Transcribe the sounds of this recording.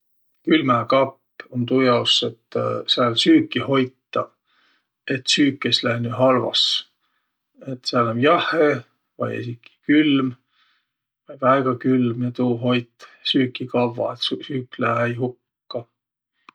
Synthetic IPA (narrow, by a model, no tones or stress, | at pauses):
kylmækɑpːont̪ujɑwset̪ːˑseɑlsyːkːˑiho̞jt̪ˑːɑ | e̞t̪syːkːˑeslæhnyɦɑlvɑ̰s | et̪seɑlæmjɑhe | vɑ̰jḛsikːi̥kylm | vɑjvæeɡ̥ɑkylmjɑt̪uːɦo̞jt̪ːˑsyːkːˑikɑvːɑ̰et̪syːkːˑlæhejɦukː | ɑ